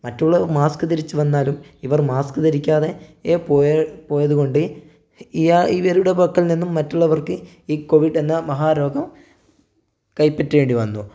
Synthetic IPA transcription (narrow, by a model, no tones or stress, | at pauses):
mɐtːuɭːɐʋɐrmaːskɨt̪iɾit͡ɕːuʋɐnːaːlumiʋɐrmaːskɨt̪iɾikʲːaːðe̞eːpoːjpo̞ːjɐðuɣo̞ɳɖɨ | iaiʋɐɾuɽebɐkːɐlninːumːɐtːuɭːɐʋɐrkɨ | iːko̞ʋiɖe̞nːɐmɐɦaːɾo̞ːɡɐm | kɐjpːɐtːuʋe̞ːɳɖiʋɐnːu